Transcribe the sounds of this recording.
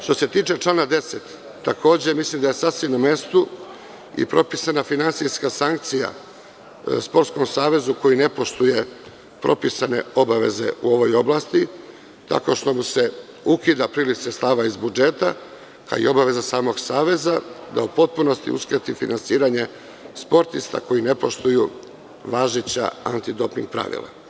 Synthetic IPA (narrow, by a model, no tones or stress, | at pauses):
ʃt̪o̞se̞t̪iːt͡ʂe̞t͡ʂlˠaːnad̪e̞set̪ː | akʰo̞ːd͡ʑe̞mislimd̪ajesasʋimname̞st̪u | ḭpɾo̞pisanafinansiskasaŋk̚t̪sija̰ | spo̞ɾt̪sko̞msaːʋe̞zuko̞jine̞po̞ʃt̪uje̞ | pɾo̞̰pisane̞̰o̞baʋe̞̰ze̞̰uo̞ʋo̞jo̞blˠast̪i | t̪a̰ko̞ʃt̪o̞muse̞ | ukid̪apɾilit̪sest̪aʋaizbud͡ʒe̞t̪a̰ | ka̰ḭo̞baʋe̞zasaːmo̞ɡsaːʋe̞zad̪a̰upo̞t̪̚puno̞st̪ḭṵskɾet̪ifinansiːɾaɲe̞ | spo̞ɾt̪ist̪a̰ko̞jine̞po̞ʃt̪uju | ʋaːʒit͡ɕa̰ant̪id̪o̞piŋɡ̚pɾa̰ʋḭlˠa̰